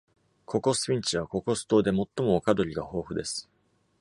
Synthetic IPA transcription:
kʰo̞ko̞sɨ̥pʲĩɲ̟t͡ɕiβ̞ako̞ko̞sɨ̥t̪o̞ːd̪e̞mo̞t̪ːo̞mo̞ːkad̪o̞ɾʲiɡaho̞ːɸɯ̟d̪e̞sɨ̥

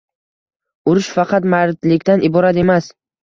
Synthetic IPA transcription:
ʊɾʊʃfɑqʰɑt̪maɾt̪lɪkʲt̪anʔɪbɒɾat̪e̞mas

